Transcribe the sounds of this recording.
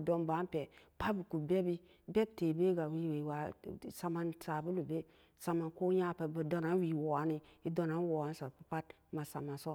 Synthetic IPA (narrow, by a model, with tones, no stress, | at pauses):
do˦nba˨˦npe˨pa˦bi˨ku˨be˦bi˦ | be˦b̚te˨be˦ɡa˨wi˦we˨wa˨sa˨ma˨nsa˨bu˦lu˨be˦ | sa˨ma˨nko˦ɲa˦pe˨bə˨do˦na˨˦n˦wi˨wo˨a˨˦ni˦i˦do˦na˨˦n˦wo˨a˨˦n˦so˨pa˨pa˦t | ma˨sa˨ma˨so˦